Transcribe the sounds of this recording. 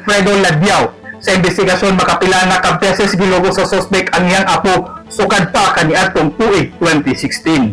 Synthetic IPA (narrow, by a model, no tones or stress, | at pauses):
fɾɛd̪olad̪jaw | sɐɪnbɪst̪ɪɡɐsjonmɐkɐpɪlaŋakab̚tɛsɛsɡɪloɡosɐsospɛk̚k̪ɐŋɪaŋʔaposʊkad̪̚pakɐniʔad̪̚t̪oŋt̪uʔɪt̪wɛnt̪ɪsɪkst̪in